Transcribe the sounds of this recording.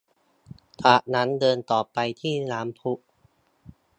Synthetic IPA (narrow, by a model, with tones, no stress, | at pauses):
t̪ʰaː˨˩ʔna˦˥ndɤː˧nt̪ɔː˨˩pa˧jt̪ʰiː˥˩naː˩˦mpʰu˦˥ʔ